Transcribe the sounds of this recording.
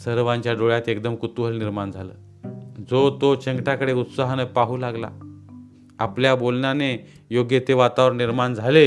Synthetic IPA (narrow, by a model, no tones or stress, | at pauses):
səɾʋãɲt͡ɕjaɖoɭjat̪ekd̪əmkut̪uɦəlniɾmand͡zʱalə̰ː | d͡zot̪ot͡ɕəŋɡʈjakəɽeut̪saɦanəpaɦuːlaɡla̰ | apljabolɳjane | joɡjet̪eʋat̪aʋəɾniɾmand͡zʱale